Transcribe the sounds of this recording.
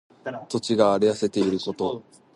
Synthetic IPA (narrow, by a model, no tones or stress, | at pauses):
t̪o̞t͡ɕiɡaːɾejase̞t̪e̞iɾɯ̟ko̞t̪o̞